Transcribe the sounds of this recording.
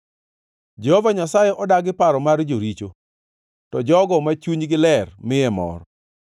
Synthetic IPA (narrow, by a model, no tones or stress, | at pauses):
d͡ʒɛhovaɲasajɛʔɔdaɡɪpaɾɔmard͡ʒoɾit͡ʃo | tɔd͡ʒɔɡɔmat͡ʃuɲɡɪlɛrmɪjɛmɔ̰ɾɔ